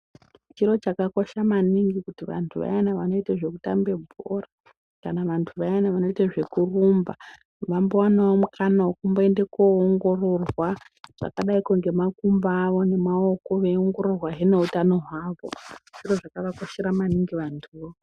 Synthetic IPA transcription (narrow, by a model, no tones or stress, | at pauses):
t͡ʃiɾo̞t͡ʃakako̞ʃamaniŋɡikutiʋa̰ntʰuʋa̰janaʋano̞iteʐe̞kutambe̞bʱo̰ːra | kanaʋantʰuʋajanaʋano̞iteʐe̞kurumba | ʋambowanawomukʰanawukumboe̞ndekooŋɡo̞ro̞rwa | ʐ̥a̰kaɗaikuŋɡe̞makumbaːʋo̞ne̞mao̞ko̞ʋeoŋɡo̞ɾo̞rwaɦene̞utano̞ɦwaːʋo̞̰ʐ̥iro̞ʐakaʋakoʃeɾamaniŋɡiʋantʰuo